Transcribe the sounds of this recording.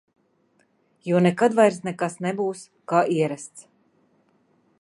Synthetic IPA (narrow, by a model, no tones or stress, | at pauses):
juɔnɛkad̪vajɾsnɛkasnɛbuːs | kaːʔiɛɾast̪s